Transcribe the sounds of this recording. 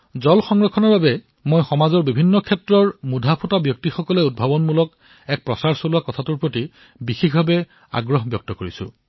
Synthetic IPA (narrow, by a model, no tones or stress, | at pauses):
zɔlxɔŋɹɔkʰːɔnɔɹbabɛ | mojxɔmazɔɹbibʱinːɔkʰɛtɹɔɹmudʱapʰutabjɔk̚tixɔkɔlɛud̚bʱabɔnmulɔk | ɛk̚pɹɔsaɹsolʊwakɔtʰatuɹpɹoti | bixixbʱabɛ | a̰ɡɹɔɦbjɔk̚tɔkoɹisʊ̰̃